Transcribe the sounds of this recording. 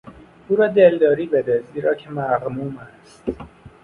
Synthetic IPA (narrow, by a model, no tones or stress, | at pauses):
uːɾɒːd̪eld̪ɒːɾiːbed̪eziːɾɒːcʰemæɣmuːmæst̪